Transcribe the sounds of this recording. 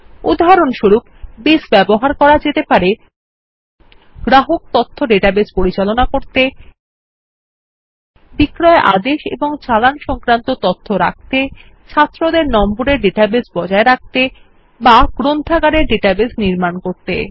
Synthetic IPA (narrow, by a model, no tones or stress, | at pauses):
ṵd̪ɦaɾonʃuɾuk̚besbɛboɦaɾkɔɾad͡ʑet̪epaɾe | ɡ̥ɾaɦok̚t̪ɔt̪ʰːoɖeʈabespoɾit͡ɕalonakoɾt̪e | bikɾɔeʔa̰d̪eʃḛboŋt͡ɕalanʃɔŋkɾant̪ot̪ɔt̪ʰːoɾa̰k̚t̪e | t͡ɕʰat̪ːɾod̪eɾnɔmboɾeɾɖeʈabesbɔd͡ʑaeɾak̚t̪e | baɡɾond̪ʱʰaɡaɾeɾɖeʈabesniɾmankoɾt̪ḛ